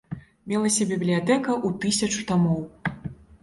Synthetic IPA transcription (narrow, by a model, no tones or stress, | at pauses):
mʲɛlˠɐsʲɐbʲiblʲijat̪ɛkɐʔut̪ɨsʲɐt͡ʂu̥t̪amɔw